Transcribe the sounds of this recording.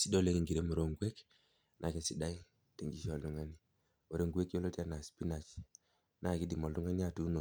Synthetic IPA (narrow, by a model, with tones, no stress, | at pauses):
si˦do˦le˦ki˨ŋɡi˨ɾe˦mu˨ɾo˦ŋɡe˦k | nʔa˨ke˨si˨da˦i˦ | te˨ŋɡi˨ʃo˨ldu˨ŋa˦ni˦ | o˨ɾe˦ŋɡe˦ko˦lo˦ti˦a˦na˨spi˦na˨t͡ʃ | na˦˨ki˦di˨mo˨ldu˦ŋa˦ni˦a˦˨tu˦no˨